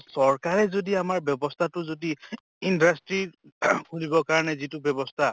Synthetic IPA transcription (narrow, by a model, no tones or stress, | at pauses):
sɔɹkaɹɛzodiamaɹbjɔbɔstʰatʊzodi | indastɹikʰunibɔkaɹɔnɛzitʊbjɔbɔstʰa